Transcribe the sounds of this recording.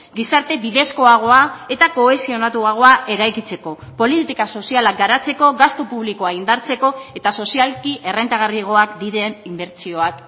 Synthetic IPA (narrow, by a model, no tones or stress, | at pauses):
ɡisaɾt̪e̞biðe̞sko̞aɣ̞o̞ae̞t̪ako̞e̞sio̞nat̪uaɣ̞o̞aʔe̞ɾajkit͡se̞ko̞ | po̞lit̪ikaso̞sialak̚ɡaɾat͡se̞ko̞ɣast̪opuβliko̞aind̪aɾt͡se̞ko̞e̞t̪aso̞sialkiʔe̞re̞nt̪aɣ̞ariɣ̞o̞akd̪iɾenimbe̞ɾt͡sio̞ak